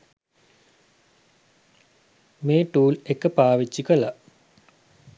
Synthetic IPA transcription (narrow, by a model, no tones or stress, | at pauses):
meːʈuːlekəpaːʋit͡ʃːikəla